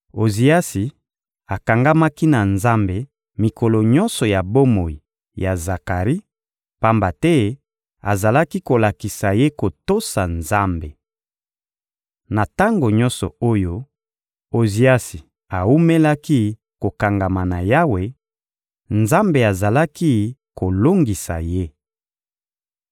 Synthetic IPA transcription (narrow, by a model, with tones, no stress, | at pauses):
o˨zi˨a˦si˨ | a˨ka˨ŋɡa˦ma˦ki˦na˨nza˦mbe˨ | mi˨kɔ˨lɔ˨ɲɔ̃˦nsɔ˨ja˨bo˦mo˨i˨ | ja˨za˨ka˨ʁi˦ | pa˦mba˨tɛ˦ | a̰˨za˨la˦ki˦ko˨la˨ki˨sa˨je˦ko˨to˦sa˨nza˦mbe˨ | na˨ta˦ŋɡo˨ɲɔ˦nsɔ̰˨o˦jo˦ | o˨zi˨a˦si˨ | a˨u˦me˦la˦ki˦ | ko˨ka˨ŋɡa˨ma˨na˨ja˦we˨ | nza˦mbe˨a˨za˨la˦ki˦ko˨lo˦ŋɡi˨sa̰˨je˦